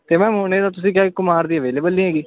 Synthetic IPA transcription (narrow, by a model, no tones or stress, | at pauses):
t̪eːmɛ̃ːmʊneːd̪aːt̪̬ʊsĩːk̬jaːekʊmaːɾd̪iːəʋeːleːbəlnĩːɦɛːɡiː